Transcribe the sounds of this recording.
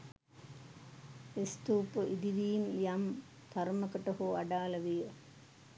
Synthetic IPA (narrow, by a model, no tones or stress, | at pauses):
ist̪uːpəʔid̪iʋiːmjɐm | t̪ʰɐɾmɐkəʈɐɦuɐɖaːlɐʋijə